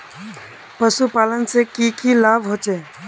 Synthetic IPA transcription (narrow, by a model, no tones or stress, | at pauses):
pəsupaːlənsekiːkʰilaːbɦoːt͡ʃeː